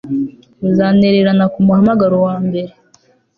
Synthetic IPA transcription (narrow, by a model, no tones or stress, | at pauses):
uzaːne̞ɾeɾanakumuhamaɡaɾowaːmbe̞ɾe